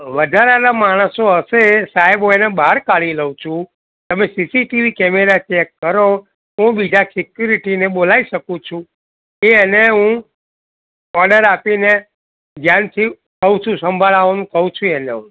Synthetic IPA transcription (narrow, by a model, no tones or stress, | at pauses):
ʋəd̪ʱaɾanamaɽ̃əsoəʃesaɛboenebaɾkaɭiləũt͡ʃʰũ | t̪əmesisiʈiʋikɛmeɾat͡ʃɛkːəɾo | ɦũbid͡ʒʱasikjuɾiʈineɓolaiʃəkũt͡ʃʰũ | eəneɦũ | ɔɾɖəɾapine | d͡ʒ̪ʱjant̪ʰi | kəɦũt͡ʃʰũsəmbʱaɭaʋanũkəɦũt͡ʃʰũeneɦũ